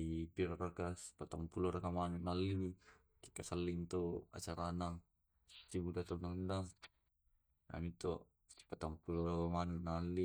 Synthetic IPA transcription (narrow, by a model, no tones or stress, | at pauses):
ipiɾarakaspat̪ampulɔɾakamanunalːii | ki̥kasalːiŋt̪oa̰t͡ʃaɾanaŋ | t̪ibudat̪anaŋundaŋ | na̰mit̪ɔ̥ | pat̪aŋpulɔɾakamanunalːi